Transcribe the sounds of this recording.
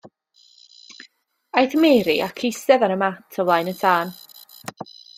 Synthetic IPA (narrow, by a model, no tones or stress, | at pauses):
ajθmɛːɾiʔakʰɪsɛvanəmatʰəwlˠajnəntʰaːn